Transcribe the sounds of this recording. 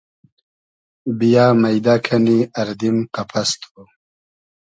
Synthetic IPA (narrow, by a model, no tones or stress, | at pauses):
bijaːmɐjd̪akʰɐniɐɾd̪imqapʰɐst̪ʰo